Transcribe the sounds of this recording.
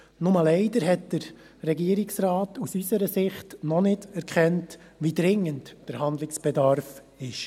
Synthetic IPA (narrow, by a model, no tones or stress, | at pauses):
nʊməlɛɪdəɾɦɛt̚d̥əɾ | rɛɡiəɾɪksraːtusysəɾəsɪχtnɔnɪdɛɾkʰχɛnt | ʋidɾɪŋːəntd̥əɾɦɑnd̪lɪksb̥ɛdɑɾf | ɪʃ